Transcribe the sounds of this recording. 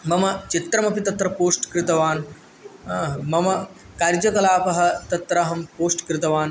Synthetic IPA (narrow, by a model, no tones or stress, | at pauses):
mɐmɐt͡ʃit̪ɾɐmɐpit̪ɐt̪ɾɐpoːsʈkɾɪt̪ɐʋaːn | mɐmɐ | kɐɾd͡ʒɐkɐlaːpɐɦɐ̆t̪ɐt̪ɾaːɦɐmpoːsʈkɾɪt̪ɐʋaːn